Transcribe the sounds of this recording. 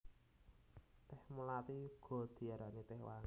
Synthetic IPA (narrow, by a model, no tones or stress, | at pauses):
t̪ɪhmulat̪iɡ̥o̤d̪̥i̤aɾanit̪ɪhwaŋ